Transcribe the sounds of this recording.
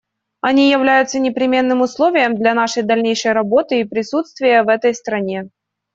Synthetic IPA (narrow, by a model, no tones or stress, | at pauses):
ɐnʲijɪvlʲæjʊt̪sənʲɪpɾʲɪmʲe̞nːɨmʊslˠovʲɪjəmd̪lʲɐn̪aʂəjd̪ɐlʲnʲejʂəjɾɐbo̞t̪ɨːpɾʲɪsut̪st̪vʲɪjəvɛt̪əjst̪ɾɐnʲe̞